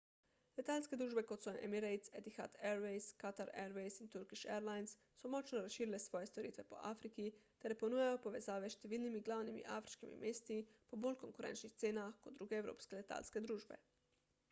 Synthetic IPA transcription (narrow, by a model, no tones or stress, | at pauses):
let̪aːlsked̪ɾuːʒbɛkot̪sɔʔɛ̰miɾejt̪sed̪ixa̰t̪ɛɾʋejskat̪aɾɛɾʋejsint̪uɾkiʃeɾlajns | sɔmɔt͡ʃnɔɾasʃiːɾilesʋɔːjest̪oɾiːt̪ʋɛpo̰ʔaːfɾikit̪ɛɾeponuːjajopoʋezaːʋɛʃt̪ɛʋiːlnimiɡlaːwnimḭʔaːfɾi̥ʃkimḭmeːst̪ipobolkoŋkuɾɛ̰nt͡ʃnixt̪seːnaxkod̪̚ɾuːɡeːwɾo̰ːpskelet̪a̰ːlsked̪ɾuːʒbḛ